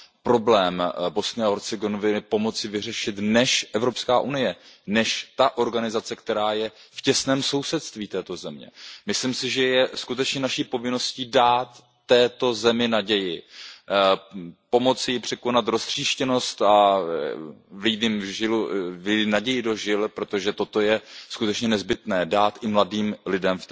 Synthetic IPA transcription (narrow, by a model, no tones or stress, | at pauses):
pɾo̞blɛːmbo̞snɪaɦoɾt͡sɪɡonovɪnɪpo̞mo̞t͡sɪvɪr̝ɛʃɪt̪nɛʃʔɛvɾo̞pskaːʔunɪjɛnɛʃt̪aʔo̞ɾɡanɪzat͡sɛkt̪ɛɾaːjɛfcɛsnɛːmso̞wsɛt̪st̪viːt̪ɛːt̪o̞zɛmɲɛ̰mɪslɪmsɪʒɛjɛskut̪ɛt͡ʃɲɛnaʃiːpo̞vɪno̞sciːdaːt̪ː | ɛːt̪o̞zɛmɪnaɟɛjɪ | po̞mo̞t͡sɪjɪpr̥ɛko̞nat̪ɾost̪r̝̥iːʃcɛno̞st̪a | vlidɪmʒɪlvɪdɪnaɟɛjɪdo̞ʒɪlpɾo̞t̪o̞ʒɛt̪o̞t̪o̞jɛskut̪ɛt͡ʃɲɛnɛzbɪt̪nɛːdaːt̪ʔɪmladiːmlɪdɛmft̪